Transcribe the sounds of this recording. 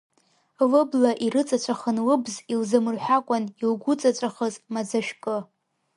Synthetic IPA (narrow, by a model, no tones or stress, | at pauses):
lɨblaʔiɾɨt͡sʼat͡ɕʷʼaχənwɨbzilzɨmɨrħʷᶣakʷʼanilɡʷʊt͡sʼat͡ɕʷʼaχəzmad͡zaʃᶣkʼɨ